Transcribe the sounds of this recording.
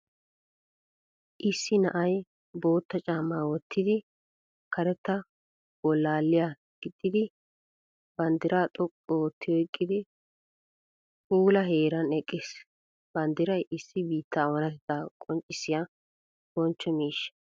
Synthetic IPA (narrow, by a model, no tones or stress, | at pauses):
ʔɪsːɪnɐ̰ʔɐj | bo̞ːt̪ːɐt͡ʃʼaːmːaːwɔt̪ʰːɪd̪ɪ | kɐɾɛt̪ːɐ | b̥ɔlːaːlːɪja | ɡ̥ɪd̪ʼːɪd̪ɪ | bɐnd̪ɪɾaːt̪ʼɔpʼːɔwɔt̪ʰːɪjɔɪkʼːɪd̪ɪ | huːlɐɦeːɾɐnɛkʼːɪːs | b̥ɐnd̪ɪɾɐjʔɪsːɪbiːt̪ːɐɔnɐt̪ɪd̪aːkʼɔnt͡ʃʼːɪsːɪja | b̥ɔnt͡ʃːɔmiːʃːɐ̥